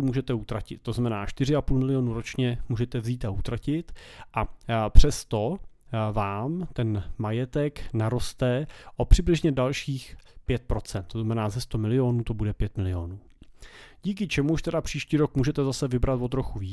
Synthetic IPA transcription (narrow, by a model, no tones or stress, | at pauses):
muːʒɛt̪ɛuːt̪ɾacɪ̰t̪̚t̪ːoznamɛna̰ːʃt̪ɪrɪapuːlmɪlɪjo̞ːnuɾo̞t͡ʃɲɛmuːʒɛt̪ɛvziːt̪auːt̪ɾacɪt̪ʔapr̝̥ɛst̪o̞ | vaːmt̪ɛnmajɛt̪ɛknaɾo̞st̪ɛʔopr̥ɪblɪʒɲɛdalʃiːxpjɛt̪̚pɾo̞t͡sɛnt̪ːoznamɛnaːzɛst̪o̞mɪlɪo̞ːnuːt̪o̞budɛpjɛt̪mɪlɪjoːnuː | ɟiːk̬ɪt͡ʃɛmuuʃt̪ɛdapr̝̥iːʃciːɾo̞kmuːʒɛt̪ɛzasɛvɪbɾat̪vot̪ɾo̞xuviː